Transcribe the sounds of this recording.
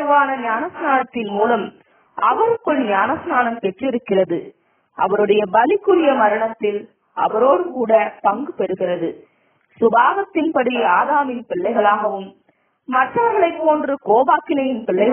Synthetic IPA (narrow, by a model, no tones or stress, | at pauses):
ʋaːnɐɲaːnɐsnaːnɐt̪ːɪnmuːlɐm | ɐʋɐɾɯkːɯɭɲaːnɐsnaːnɐmpɛʈrɪɾɯkːɪrɐðɯ | ʔɐʋɐɾɯɽɐjɐbɐlɪkːɯɾɪjɐmɐɾɐɳɐt̪ːɪl | ɐ̰ʋɐɾoːɽɯmkuːɽɐpɐŋɡɯpɛɾɯɣɪrɐðɯ | sʊbaːɣɐt̪ːɪnpɐɽiaːðaːmɪnpɪɭːɐɪɣɐɭaːɣɐʋɯmː | ɐʈːɐʋɐɾɣɐɭɐɪpːoːndrɯkoːbaːkɪnɐjɪnpɪɭːɐɪɣ